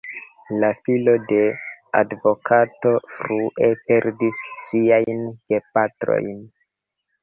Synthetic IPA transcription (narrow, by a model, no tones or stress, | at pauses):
lafilo̞de̞a̰dvo̞kʰato̞fɾuʔe̞pe̞ɾdisːiajnɡe̞patɾo̞̰jn